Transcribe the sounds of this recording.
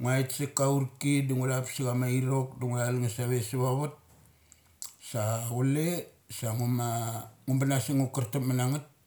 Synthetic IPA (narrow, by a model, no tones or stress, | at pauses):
ŋuaitsekauɾkiduŋulapsiɡamaiɾok̚duŋulalŋasaβesaβaβat̚ | saule | saŋumaŋumbanasiŋukaɾtapmanaŋat̚